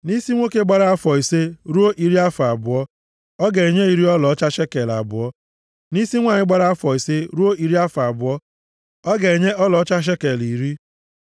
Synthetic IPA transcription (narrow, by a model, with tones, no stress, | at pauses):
ni˦si˦ŋʷo˦ke˦ɡ͡ba˦ɾa˦a˦fɔ˨i˨se˦ɾu˦o˦ʔi˨ɾi˦a˦fa˨bʊ˨ɔ˦ | ɔ˦ɡe˨ɲe˦i˨ɾi˦ɔ˦lɔ˨˦t͡ʃa˦ʃe˦ke˨la̰˨bʊ˨ɔ˦ | ni˦si˦ŋʷaː˦˨ɲɪ˦ɡ͡ba˦ɾa˦a˦fɔ˨i˨se˦ɾu˦o˦ʔi˨ɾi˦a˦fa˨bʊ˨ɔ˦ | ɔ˦ɡe˨ɲe˦ɔ˦lɔ˨ɔ˦t͡ʃa˦ʃ̬e˦ke˨li˨ɾi˦